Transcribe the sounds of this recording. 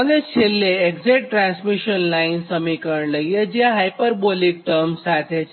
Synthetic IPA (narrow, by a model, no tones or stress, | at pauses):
əɡeɕelːeekd͡zeʈ̚ʈɾãnsmiɕənlainsəmikəɾləjed͡ʑjaɦajpəɾbolik̚ʈəɾmsat̪ʰet͡ɕ